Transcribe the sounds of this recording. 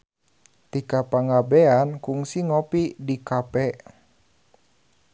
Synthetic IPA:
t̪ikapaŋabɛankuŋsiŋɔpidikapɛ

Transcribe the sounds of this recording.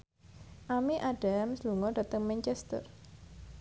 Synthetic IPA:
ʔamiʔaɖamsluŋɔɖa̤t̪əŋmɛɲt͡ʃɛst̪ə̰r

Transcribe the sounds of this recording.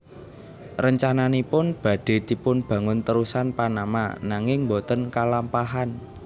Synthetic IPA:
rəɲt͡ʃananipʊnb̥ä̤ɖ̥e̤t̪ipʊnb̥ä̤ŋʊnt̪əɾusanpanama̰naŋɪŋmbot̪ənkalampaɦan

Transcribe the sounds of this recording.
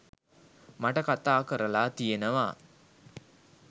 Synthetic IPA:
maʈəkat̪aːkəɾəlaːt̪ijenəʋa̰

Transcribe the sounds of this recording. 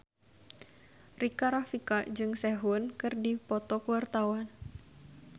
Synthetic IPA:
rikaɾafikaʔd͡ʒɨŋsɛɦʊnkɨrdipɔt̪ɔkuwart̪awan

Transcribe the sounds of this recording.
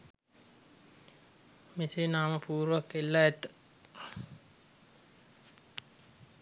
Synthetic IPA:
misenaːməpʰuːɾʋakːelːaɛt̪ːə̥

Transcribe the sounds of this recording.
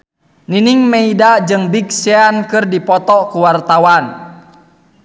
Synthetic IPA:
niniŋmeidad͡ʒɨŋbik̚seankɨrdipɔt̪ɔkuwart̪awan

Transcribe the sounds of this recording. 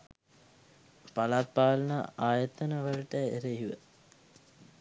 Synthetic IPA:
palat̪̚paːlənaʔaːjət̪ənəʋəlʈəeɾəjiʋə̰

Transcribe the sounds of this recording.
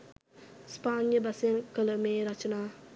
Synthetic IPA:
spaːnjəbɐsiɐŋkələmeːɾat͡ʃənaː

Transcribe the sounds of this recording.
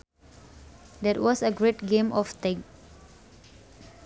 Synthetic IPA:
d̪ɛtwɔsəɡɹetɡẽmɔft̪ɛ̃ɡ

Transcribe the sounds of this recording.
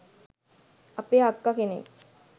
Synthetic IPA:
apeːakːakenḛ

